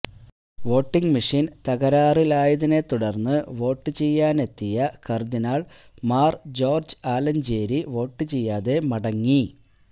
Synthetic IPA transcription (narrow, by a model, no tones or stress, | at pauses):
ʋo̞ːʈːiŋɡmiʂint̪ɐɣɐɾaːrilaːjɐðine̞t̪uɽɐrnːɨʋo̞ːʈːɨt͡ɕejːaːne̞t̪ːijɐkɐrd̪inaːɭ | maːrd͡ʑo̞ːrd͡ʑɨaːlɐnd͡ʑe̞ːɾiʋo̞ːʈːɨt͡ɕejːaːðe̞mɐɽɐŋːi